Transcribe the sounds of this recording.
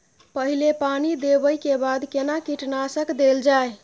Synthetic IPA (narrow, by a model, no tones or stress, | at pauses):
pəɦilepanid̪ebəjkebad̪kenakiʈnasəkd̪eld͡ʒae